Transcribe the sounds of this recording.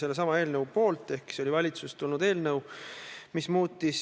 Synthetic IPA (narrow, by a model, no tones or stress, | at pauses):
se̞lːesɑmɑe̞ːlnəwpo̞ːlt̪ːˑe̞hki̥seo̞lʲivɑlʲit̪sust̪ulnud̪e̞ːlnɤwmismuːt̪ːˑis